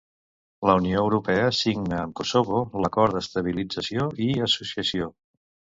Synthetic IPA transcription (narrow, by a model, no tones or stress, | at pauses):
ləunioəwɾupɛəsiɡnəːmkosoβoləkɔɾd̪əst̪əβilid͡zəsioiəsusiəsio